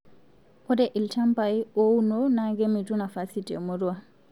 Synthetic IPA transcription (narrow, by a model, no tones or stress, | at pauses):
ʔɔdɛʔiltampajiɔwnɔnaɡɛmitunafasitɛ̰muɾuwa